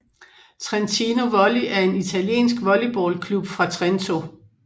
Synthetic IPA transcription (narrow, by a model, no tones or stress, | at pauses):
t͡sʰʁɛnt͡sʰino̝ʋɒliʔæɐe̝nit͡sʰæljḛːnsɡ̥ʋɒlib̥ɒ̰ːlkʰlub̥fʁɑ̈t͡sʰʁent͡sʰo̝